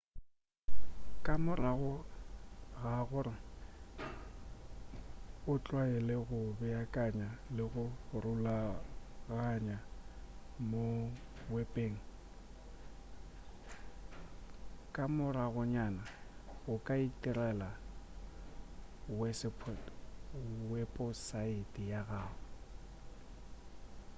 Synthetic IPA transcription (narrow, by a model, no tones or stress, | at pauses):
kʼamʊraɣʊ | ɣaɣʊrɪ | ʊt͡ɬʼwaɛlɪɣʊbɛakʼaɲalɪɣʊrulaɣaɲa | mo | wɛpʼeːŋ̩ | kʼamʊraɣʊɲanaɣʊkʼaitʼirɛla | wɛspʰ | wɛpʼɔsaitʼijaɣaːɣɛ